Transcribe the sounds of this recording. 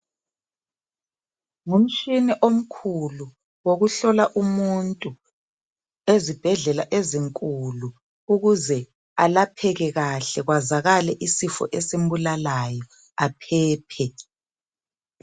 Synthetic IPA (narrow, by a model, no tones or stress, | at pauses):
ŋum̩t͡ʃiniʔom̩kʰulu | woɣuɬɔlaʔumuntʼu | ezib̥ʱɛɮɛlaʔeziŋkʼulu | uɣuzɛ | alapʰɛɣɛɣaɬɛɣwazaɣalɛʔisifɔ̰ʔɛsem̩bulalajɔ | apʰɛːpʰɛ